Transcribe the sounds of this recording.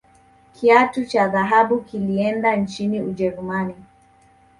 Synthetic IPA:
kʰiatut͡ʃaðaɦaɓukiliɛndant͡ʃiniud͡ʒɛɾumani

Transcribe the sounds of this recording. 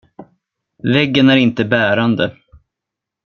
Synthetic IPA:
vɛɡːənæɾɪnt̪əbæːɾand̪ə

